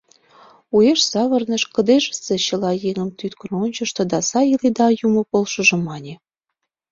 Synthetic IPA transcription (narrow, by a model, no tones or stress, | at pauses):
ueʃsɑβɤ̆rnə̆ʃkə̆d̪eʒə̥̆seɕə̆lɑjeŋə̆mt̪yt̪kəronʲt͡ɕə̆ʃt̪ɤ̆d̪ɑsɑjiled̪ɑjumɤ̆polʃɤ̆ʒɤ̆mːɑnʲe